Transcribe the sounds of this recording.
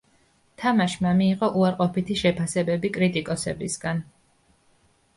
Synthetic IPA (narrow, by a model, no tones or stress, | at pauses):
t̪ʰamaʃmamiːqʼɔʔuaɾqʼɔpit̪ʰiʃɛpʰasɛbɛbikʼɾit̪ʼikʼɔsɛbisɡan